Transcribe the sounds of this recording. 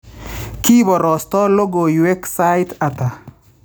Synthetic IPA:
ki˦bɔ˨ɾɔ˨stɔ˦lo˦ɡo˨jwe˦ksa˦ɪta˨ta˨

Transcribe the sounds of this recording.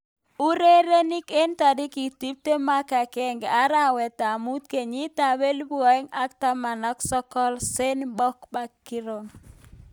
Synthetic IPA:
u˦ɾe˦ɾe˦ni˦ke˦nta˨dɪ˦ki˨ti˦p̚te˦ma˦ka˨kɛ˦ŋɡɛ˨a˦ɾa˦wɛ˨ta˨mu˦t̪ke˨ɲi˦ta˨be˦lbɔ˨˦ɛ˦ŋa˦kta˦ma˨nɔ˦ksɔ˦kɔ˦lse˦nbɔ˦kba˦kːɪ˦ɾo˨ŋ

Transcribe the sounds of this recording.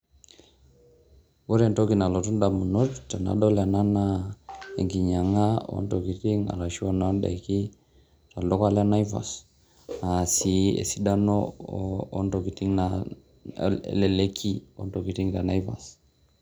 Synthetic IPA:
wo˦ɾe˨nto˦ki˨na˨lo˨tu˦nda˨mu˨no˦tta˨na̰˨do˦la˨na˦na˦e˨ŋɡi˨ɲa˨ŋa˦o̰˦nto˨ki˨ti˦ŋa̰˨la˨ʃi˦wa˦˨na˦nɗa̰˨jki˦ | ta˨lo˦ka˦la˦na˦jva̰˨s | a˨si˨ḛ˨si˦da˦no̰ː˦ | nto˨ki˨ti˦ŋna | le˨le˦kʰi˦o̰˦nto˨ki˨ti˦ŋta˨na˦jva̰˨s

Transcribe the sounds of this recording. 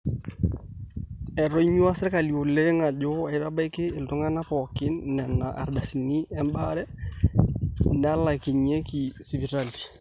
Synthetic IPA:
ɛ˨ɾɔ˦ɲu˦a˦sɾɛ˦ka˨li˨o˨lɛ˦ŋa˨d͡ʒo˦ɛ˨˦ɾa˦ba˦jkɪ˦ɪ˨ltu˦ŋa˦na˦pɔ˨kɪ˦nːɛ˨na˨ʔa̰˨ɾda˨si˨ni˦ɛ˦mbaɾɛ˦ | na˦la˨ki˨ɲɛ˦ki˨si˨vi˨talti̥˨

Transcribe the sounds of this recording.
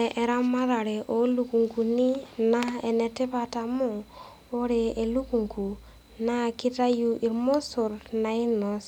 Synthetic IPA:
ɛ˨ʔɛ˨ɾa˦ma˦ða˨ɾɛ˨ʔo˨˦lu˨˦ku˨ŋku˨ni˦na˦e˨nɛ˨tɛ˦pa˨ta˨mo˦ | o˦ɾɛ˨e˨lu˦ku˨ŋku˨ | na˦ki˦ta˦ju˦ʔi˨ɾmo˦so˨ɾna˨i˦nɔ˨s

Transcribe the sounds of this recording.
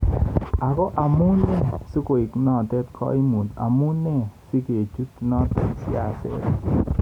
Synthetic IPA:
a˨kɔ˦ʔa˨mu˦nɛ˦su˦ko˨i˨knɔ˦˨tɛ˦t̪kʰɔ̰˦i˦mu˨da̰˨mu˦nːɛ˦si˦ke˨t͡ʃu˦t̪nɔ˦t̪ɛ˨sɪ̰˦a˨sɛ̰˦t

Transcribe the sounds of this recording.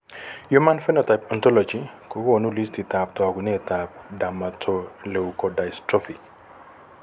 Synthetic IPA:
ju˦ma˦nfɛ˦nɔ˨ta˨ɪpa˨ntɔ˦lɔ˨d͡ʒi˨ko˨ko˦˨nu˦li˦sti˨ta˨p̚tɔ˨ɡu˨ne˦˨ta˨p̚da˨ma˨tʰo˨le˨u˨kɔ˨da˨ɪstɾɔ˦fi˨k

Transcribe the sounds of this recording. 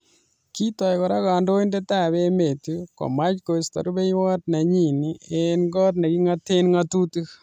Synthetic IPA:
ki˦tɔ˨jkɔ˨ɾa˦ka˨ndo˦i˦nde˦ta˦˨be˦me˨tu˦ko̰˨ma˦t͡ʃko˨sta̰˨ɾu˦be˦jwɔ˦tna˨ɲi˨ni˦enɡɔ˦t̬̚na˨ki˦ŋa˦te˦nŋa˦tu˦tu˦

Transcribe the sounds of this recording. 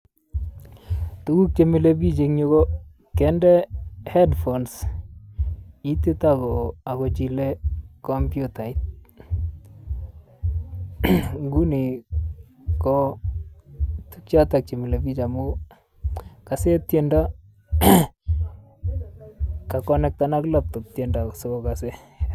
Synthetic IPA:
tu˨ɡu˦k̚t͡ʃe˨mi˨le˦bi˦d͡ʒe˨ŋɲo˦ɡo˦ | kɛ˦ndɛ˦hɛ˦dfɔ˨ns | i˦t̪e˦taɡɔa˨ɡɔ˨d͡ʒi˨le˦ko˦mpjuta˨i˦t̚ | ɡu˦ni˨ | kɔ | tukt͡ʃatak̚t͡ʃi˨mi˨le˨ɡi˦t͡ʃa˨mu˦ | ka˨se˦tjenda˦ | ka˨kɔnɛ˦k̚tana˦klap̚tɔ˨p̚tenda˨soɡɔkase˦

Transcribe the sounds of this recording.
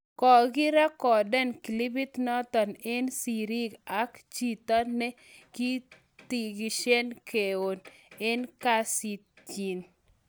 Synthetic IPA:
kɔ˨ɡɪ˦ɾa˦kɔ˨dɛ˦nki˨li˦bi˦t̪nɔ˦t̪ɔ˨ne˦nsi˨ɾi˦ɡa˨˦kt͡ʃi˦t̪ɔ˦nːɛ˦ | ki˦ | t̪i˨ɡi˨ʃe˦nke˨o˨ne˦nka˦si˨t̪ | t͡ʃi˨n

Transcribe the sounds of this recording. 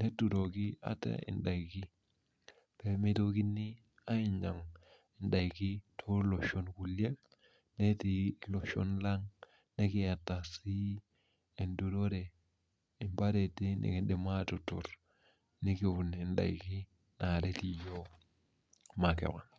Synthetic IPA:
ne˦tːu˨ɾo˨ki˦a̰˦tḛ˦ḭ˨nda˨i˨ki˦ | pe˨mi˦to˦ki˦nːi˦ | a˦i˦nd͡ʒa˨ŋ | i˨nda˨i˨ki˦tʰo˦lo˨ʃo˦nku˨le˦k | ne˦ti˨lo˨ʃo̰˦nla˦ŋ | ne˦ki˨ja˨tːa˨si˦ | i˨ndu˨ɾo˦ɾe˨ | i˨mba˦ɾe˨te˦nḛ˨ke˨ɗe˨ma˦tu˨tṵ˨ɾ | ni˦ki˨wu˨ni˨nɗa̰˨i˨ki˦ | na˨de˦ti˨jo˦ | ma˨kḛ˨ka˨

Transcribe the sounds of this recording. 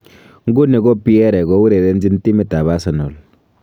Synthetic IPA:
ŋ˦ɡu˦ne˨ɡɔ˦pi˦ɛ˦ɾɛ˨ɡɔ˦wu˦ɾe˨dɛ˦nd͡ʒi˦nti˦mi˨ta˨βa˦sa˨nɔ˨l

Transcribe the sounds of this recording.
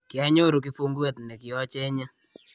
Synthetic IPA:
kja˦ɲo˦ɾo˨k̬i˦fu˦ŋɡu˦ɛ˦tnɛ˨ki˨ɔ˦t͡ʃɛ˦ɲa˦

